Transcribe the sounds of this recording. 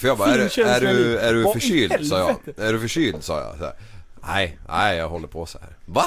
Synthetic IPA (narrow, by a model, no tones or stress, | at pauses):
fœjɑɡbɑææɖʉæɖʉfœyːlsɑːjɑ̰æɖʉfœʂyːld̪sɑ̰ːjɑ̰ɛ̰næ̰ɪnʔæ̰ɪjɑɡɦɔlːəɾpʰɔsɛhæ̰ːɾva